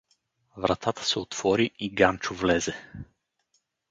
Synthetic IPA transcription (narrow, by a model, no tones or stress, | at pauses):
vɾɐt̪ʰat̪ə̥sɛot̪v̥ɔɾiʔiɡant͡ʃʊvlɛzɛ